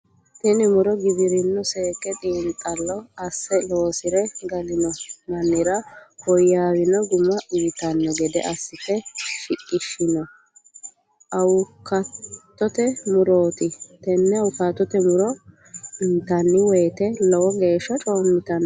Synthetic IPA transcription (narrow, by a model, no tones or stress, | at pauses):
t̪ɛnɪmʊɾɔɡɪbɪɾɪnːɔseːkːɛt̪ʼiːnt̪ʼːɐlːɔɐsːɛlo̞ːsɪɾɛɡɐlɪnɔmɐnːɪɾɐhɔjːaːwɪnɔɡʊmɐʔʊjɪt̪ɐnːɔɡɛd̪ɛ̰ʔɐsːɪfɛʃɪkʼːɪʃːɪnɔ | ʔɐwkɐt̪ːɔt̪ɛmʊɾoːt̪ɪt̪ɛnːɛɐwkat̪ːɔt̪ɛmʊɾɔ | ɪnt̪ɐnːɪwɛjt̪ɛlɔwɔɡe̞ːʃːɐt͡ʃʼo̞ːmːɪt̪ɐnː